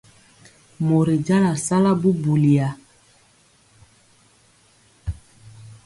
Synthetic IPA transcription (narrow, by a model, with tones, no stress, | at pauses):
mo˨ɾi˨d͡ʒa˦la˨sa˦la˦bu˦bu˨li˨a˨